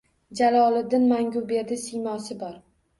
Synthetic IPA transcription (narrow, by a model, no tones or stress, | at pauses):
d͡ʒalˠɒlˠɪd̪ɪnmaŋʲʊbe̞ɾd̪ɪsijmɒsɪbɒɾ